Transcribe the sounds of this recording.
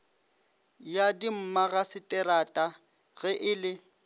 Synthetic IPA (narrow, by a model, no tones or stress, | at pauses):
jadim̩maɣasɪtʼɛɾatʼa | ɣɛʔɪlɪ